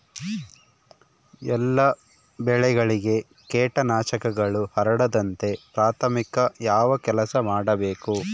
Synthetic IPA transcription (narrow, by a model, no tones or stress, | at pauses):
ɛlːɐ | bɛɭɛɡɐɭiɡe̞ | keːʈɐnaːʃɐkɐɡɐɭuhɐɾɐɽɐd̪ɐnt̪e̞pɾaːt̪ʰɐmikɐjaːʋɐkɛlɐsɐmaːɽɐbe̞ːku